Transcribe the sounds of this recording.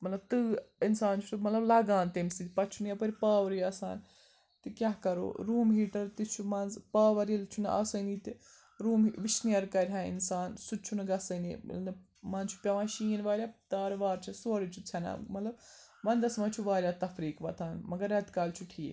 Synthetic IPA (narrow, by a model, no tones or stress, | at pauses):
mɐt̪lɐb̚t̪ɨɪnsaːnt͡ʃʰu̥t̪mɐt̪lɐblaːɡaːnt̪ensiːt̪ʲpɐt͡ʃʰuniɐpɐɾʲpaːʋɐɾiːaːsa̰ːn | t̪ikʲjaːɦkɐɾo̰ːɾuːmɦiːʈɐɾt̪it͡ʃʰumɐnzpaːʋɐɾilt͡ʃʰunʔa̰sɐniːt̪ | ɾuːmʋɪʃnijɐɾkɐɾʲɦãːɪ̰nsaːnsut͡ʃʰunɐɡɐsɐni | mɐ̃nt͡ʃʰu̥pʲɐʋãːʃiːnʋaːɾʲjaːt̪aːɾʋaːɾt͡ʃʰisoːɾit͡ʃʰut͡sʰɐna̰mɐt̪lɐbʋɐnd̪ɐsmãːt͡ʃʰuʋaːɾʲjaːt̪ɐfɾiːkʋɐt̪ʰaːnmɐɡɐɾɐt̪kaːlt͡ʃʰuʈʰiː